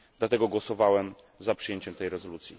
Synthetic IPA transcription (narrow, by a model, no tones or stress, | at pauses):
d̪̥lat̪ɛɡɔɡwɔsɔvawɛm | zapʂɨ̥jeɲt͡ɕɛmt̪ɛjɾɛzɔlut̪sʲjḭ